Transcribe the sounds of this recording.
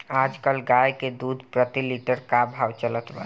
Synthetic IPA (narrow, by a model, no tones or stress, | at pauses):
ad͡ʒkəlɡajked̪ud̪ʱpɾət̪iliʈəɾkabʱawt͡ʃələt̪bə̰